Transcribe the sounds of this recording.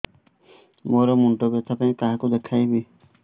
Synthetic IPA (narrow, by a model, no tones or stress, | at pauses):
moɾɔmuɳʈobet̪ʰapãĩkaɦakud̪ekʰajbi